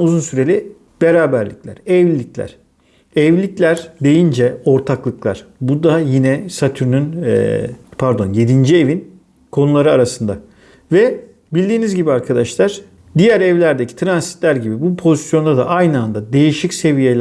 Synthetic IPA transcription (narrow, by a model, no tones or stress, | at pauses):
uzunsyɾe̞lʲi | b̥eɾaːbæɾlʲḭclʲæ̰ɾɛvlʲiclʲæ̰ɾ̥ | ɛvlʲiclʲæɾd̪e̞jind͡ʒɛo̞ɾt̪ʰaklˠɯklˠa̰ɾ̥bud̪ajinɛsat̪ʰyɾnyn̰ | pʰaɾd̪o̞nje̞d̪ind͡ʒie̞vin | kʰo̞nulˠaɾɯaɾasɯnd̪a | vɛ | bilʲd̪iːnizɟibiaɾkʰad̪aʃlˠaɾ̥ | d̪ijæɾɛvlʲæɾd̪ecʰi̥t̪ʰɾansi̥t̪lʲæɾɟibibupʰo̞zisjo̞nd̪ad̪a̰ʔajnɯand̪ad̪e̞jiʃicse̞vijelʲ